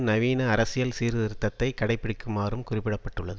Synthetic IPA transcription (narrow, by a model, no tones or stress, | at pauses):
nɐʋiːnɐːɾɐsɪjɐlsiːɾðɪɾɯt̪ːɐt̪ːɐɪkɐɽɐɪpːɪɽɪkːɯmaːɾɯmkʊrɪpːɪɽɐpːɐʈːɯɭːɐðɯ